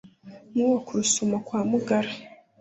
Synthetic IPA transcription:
muwakuɾusumakwaːmuɡaɾe

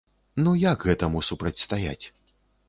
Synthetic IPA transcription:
nujaɡɣɛt̪ɐmusupɾɐt͡sʲst̪aja̰t͡sʲ

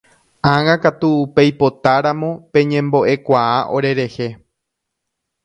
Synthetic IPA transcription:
ãŋãkat̪uːpe̞jpo̞t̪aɾãmõpẽ̞ɲẽ̞mbo̞ʔe̞kʷaaʔo̞̰ɾe̞ɾe̞he

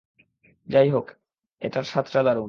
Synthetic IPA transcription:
d͡ʑajɦok | eʈaɾʃat̪ːɾad̪aɾo

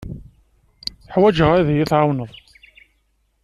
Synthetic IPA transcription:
ħwæd͡ʒəʁæðjiθʕawnəðˤ

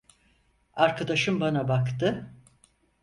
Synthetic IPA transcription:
aɾkʰad̪aʃɯmbanabakt̪ɯ

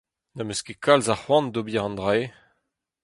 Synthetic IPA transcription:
namøskekʰalzahwɑ̃nd̪obiaʁɑ̃nd̪ʁaj

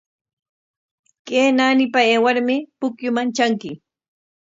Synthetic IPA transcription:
keːnaːnɪpaeːwaɾmɪpʊkjʊmant͡ʃaŋkɪ

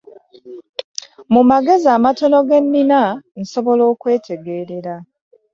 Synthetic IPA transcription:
mumaɡe̞ziaːmato̞no̞ɡe̞nːinan̩so̞βo̞lo̞ːkwe̞ːtʰe̞ɡe̞ːɾe̞ɾa

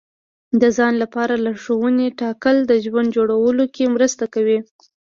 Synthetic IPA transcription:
d̪əzɑnlapɑɾalaʂowəneʈɑkəld̪əʒwand̪d͡ʒoɽawəlokemɾəst̪akawi

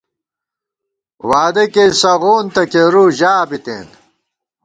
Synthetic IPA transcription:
waːd̪ɐkesɐɣoːnt̪ɐkeɾuːʑaːbit̪ḛːn

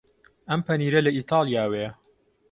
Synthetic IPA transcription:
ʔɐmpʰɐniːɾɐlɐʔiːt̪ʰɑːlˠjaːwe

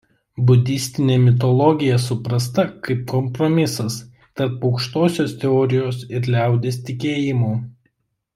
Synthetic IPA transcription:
bʊd̪ʲɪsʲt̪ʲɪnʲeːmʲɪt̪̬ɔlˠɔɡʲɪjɛsʊpɾɐst̪ɐkɐɪp̚kɔmpɾɔmʲɪsɐs | t̪ɐɾpɒʊkʃt̪oːsʲoːst̪ʲɛɔːɾʲɪjoːsɪɾlʲæˑʊd̪ʲeːst̪ʲɪkʲeːjɪmoː

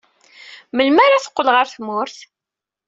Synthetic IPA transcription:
məlmaɾaθə̥qːəlʁəɾθmʊɾθ

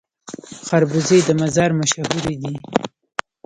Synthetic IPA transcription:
xaɾbuzed̪əmazɑɾmaʃahuɾid̪i

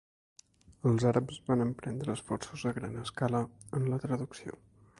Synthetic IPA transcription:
əlˠzaɾəpzβanəmpɾɛnd̪ɾəːsfɔrsuzəɣɾa̰nəskaləənlət̪ɾəðuksio̰

